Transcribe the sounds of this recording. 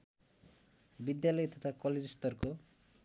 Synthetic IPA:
bid̪jalɔjɔt̪ʰat̪ʰakɔled͡ʒist̪ɔɾko

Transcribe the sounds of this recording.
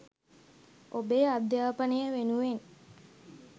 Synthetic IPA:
ʔobead̪jaːpənejəʋenuʋen

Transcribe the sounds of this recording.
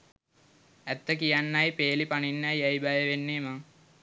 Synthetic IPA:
æt̪ːəkijanːajpeːlipaninːɐjajbajəʋenːeːmaŋ

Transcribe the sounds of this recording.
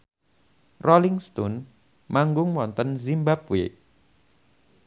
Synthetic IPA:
rʔɔliŋst̪un | maŋɡʊŋwɔnt̪ənzimbapwe

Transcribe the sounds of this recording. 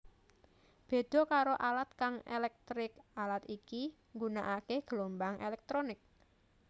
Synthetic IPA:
b̥e̤d̪̥ɔ̤kaɾoʔalat̪̚kaŋḛlɛk̚t̪ɾɪkalat̪iki | ŋɡunaʔakehɡ̥əlombaŋʔelɛk̚t̪ɾonɪk̚

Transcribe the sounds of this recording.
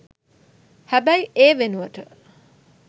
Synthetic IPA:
hæbæjeːʋenuʋəʈə

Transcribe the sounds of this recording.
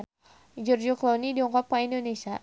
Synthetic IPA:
d͡ʒurd͡ʒuklonidiɔŋkɔpaindonesia

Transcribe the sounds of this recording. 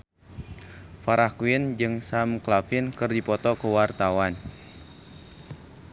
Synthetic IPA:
faɾʔahkuind͡ʒɨŋsamklafɪnkɨrdipɔt̪ɔkəwart̪awan

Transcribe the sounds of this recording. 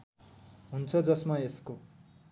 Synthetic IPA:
ɦunt͡sʰʌd͡zʌsmaesko

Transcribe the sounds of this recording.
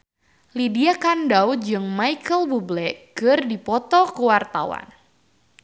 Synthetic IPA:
lidiakandawd͡ʒɨŋmajkəlbublɛɡ̥ərdipɔt̪ɔkəwart̪a̰wa̰n

